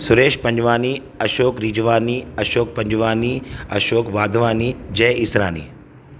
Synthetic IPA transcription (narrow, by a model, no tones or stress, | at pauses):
sʊɾeːʃpɐ̃ɲd͡ʒʋaːni | ɐʃoːkɾid͡ʒʋaːniɐʃoːk̚pɐ̃ɲd͡ʒʋaːniɐ̰ʃoːkʋaːd̪ʱʋaːnid͡ʒɛːɪsɾa̰ːnḭː